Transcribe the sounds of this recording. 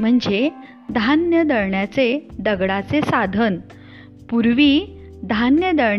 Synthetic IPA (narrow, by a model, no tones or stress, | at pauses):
m̤əɳd͡ze | d̪ʱanjəd̪əɾɳjat͡sed̪əɡɽat͡sesad̪ʱən | puɾʋiː | d̪ʱanjəd̪əɾ